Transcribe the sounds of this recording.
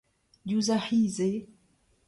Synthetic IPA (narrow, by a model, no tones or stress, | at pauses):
juzaħize